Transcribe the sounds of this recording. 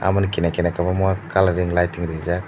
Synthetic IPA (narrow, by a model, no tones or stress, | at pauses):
a̰mankinakinakabamwakalaɾiŋlajtiŋɾiza